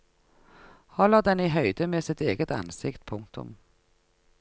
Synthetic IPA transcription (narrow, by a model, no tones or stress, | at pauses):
hɔləʁd̪ɛniːɦœʏd̪əmeːsɪt̪eːɡət̪ɑ̰nsɪkt̪pʰʊŋk̚t̪ʰʊ̰m